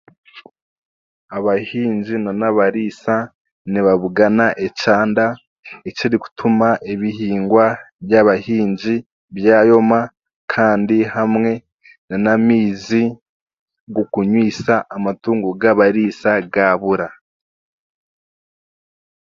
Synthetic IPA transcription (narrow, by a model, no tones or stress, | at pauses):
aβahiːɲd͡ʒinanaβaɾiːsa | niβaβuɡanaʔet͡ʃaːnda | et͡ʃiɾiku̥tʰumaʔeβiɦiːŋɡwa | bjaβahiːɲɟi | βjaːjo̞ma | kʰaːndihamŋe̞ | nanamiːzi | ɡukuɲwiːsaʔːmatuːŋɡuɡaβaɾisaɡaːβuɾa